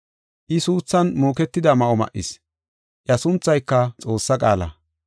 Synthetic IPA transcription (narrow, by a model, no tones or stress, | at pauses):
ʔɪsuːt͡sːɐnmoːkɛt̪ːɪd̪ɐmɐʔɔmɐ̰ʔːɪ̰s | ʔjɐsʊnt͡sːɐjkːɐt͡sʼo̞ːsːɐkʼaːlɐ̰